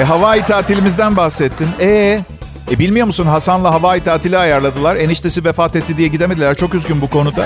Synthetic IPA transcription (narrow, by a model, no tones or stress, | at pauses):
ɛɦavaːjit̪ʰaːt̪ʰilʲimizd̪ænbaxsɛt̪ʰːinɛː | ɛbilʲmijo̞musunɦasanlˠaɦavaːjit̪ʰaːt̪ʰilʲiajaɾlˠad̪ɯlˠaɾe̞niʃt̪ʰe̞sivefaːt̪ɛt̪ːid̪ijɛɟid̪eme̞d̪ʲilʲæɾt͡ʃʰo̞kyzɟʲynbukʰo̞nud̪a